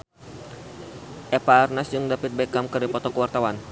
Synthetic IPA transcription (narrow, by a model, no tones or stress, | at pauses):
ʔɛpaːrnasd͡ʒɨŋdapət̪̚bɛkamkɨrdipɔt̪ɔkəwart̪awan